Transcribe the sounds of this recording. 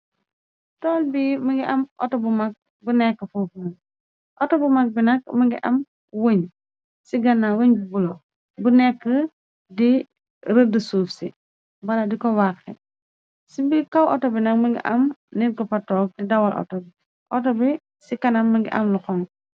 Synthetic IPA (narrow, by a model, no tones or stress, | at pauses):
tɔlbiːmɐŋɡiʔɐmʔɔ̰tɔbumɐk̚ | bunɛkːəfuːfnɐ | ʔɔtɔbumɐk̚binɐk̚mɐŋɡiʔɐm | woɲ | siɡɐnːawoɲbibulɔ | bunɛkːə | di | ɾədəsuːfsi | bɐladikɔwakːɛ | sibikɐwʔɔtɔbinɐk̚mɐŋɡḭʔɐmniɾkɔpɐtɔːk̚didɐwɐlʔɔ̰tɔbi | ʔɔtɔbi | sikɐnɐmːɐɡiʔɐmlukɔŋ